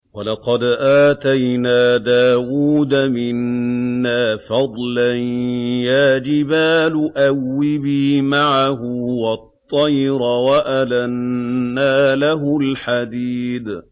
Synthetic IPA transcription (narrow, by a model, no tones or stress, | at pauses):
walɑqɑd̪ʔaːt̪ajnaːd̪aːwuːd̪amɪnːaːfɑd̪ˤlanjaːd͡ʒɪbaːlʊʔawːɪbiːmaʕaɦʊwɑt̪ˤːɑjɾawaʔalanːaːlaɦʊlħad̪iːd̪